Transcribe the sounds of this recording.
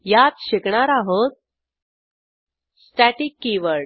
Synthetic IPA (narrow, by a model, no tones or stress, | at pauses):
jat̪ɕekɳaɾaɦot̪̚ | sʈæʈikːiʋəɭ